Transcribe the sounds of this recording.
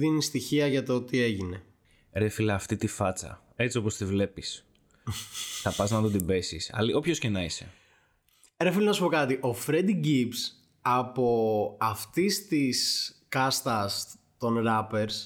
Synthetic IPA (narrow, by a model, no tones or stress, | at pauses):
ðinist̪içiɐʝɐt̪oot̪ie̞ʝine̞ | ɾe̞filɐːft̪it̪ifɐt͡sɐ̰ | e̞t͡sio̞post̪ivle̞pis | θɐpɐznɐt̪od̪imbe̞sisɐ̰liopço̞scenɐise̞̰ | ɾefilenɐsu̥po̞kɐt̪iʔo̞fɾe̞d̪iɟips | ɐpo̞ɐft̪ist̪iskɐst̪ɐs | t̪o̞nɾɐpe̞ɾs